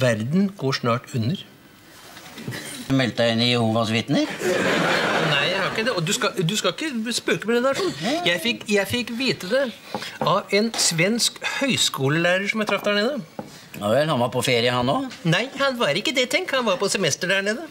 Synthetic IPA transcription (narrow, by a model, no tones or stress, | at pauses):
ʋæɾd̪nɡoːʂnɑːʈʉnːəɾ | mɛlt̪əɪnɪjhuːʋɑsʋɪt̪nəɾ | næɪjæɪhɑɾɪkːəd̪ɛɔd̪ʉskɑd̪ʉskɑlɪkːəspøːkəmɛnɛnəɾɑʂuːnjæɪfɪkjæɪfɪkːʋiːt̪əd̪ɛ | ɑʋɛnsʋɛnskhœʏskuːləlæːɾəʂɔmjæt̪ɾɑfd̪æɳeːd̪ə | ɔhɑnʋɑɾpʰɔfeːɾɪəhɑnːoːnæɪhɑnʋɑɾɪkːəd̪ɛt̪ʰɛŋkhɑnʋɑːɾpɔsɛmɛst̪əɖæɳeːd̪ə